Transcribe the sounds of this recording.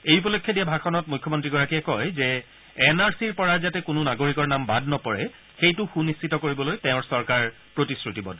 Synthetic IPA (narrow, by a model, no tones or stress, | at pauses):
ejup̬ɔlokʰːjɔdijabʱakʰɔnɔt̚mujkʰːɔmɔntɹiɡɔɹakiɛkɔjzɛ | ɛnaɹsiɹpɔɹazatɛkʊnʊnaɡoɹikɔɹnambadnɔpɔɹɛ | xejtʊxunistitɔkoɹibɔlojtɛʊ̃ɹsɔɹkaɹ | pɹotisɹutibɔ̰d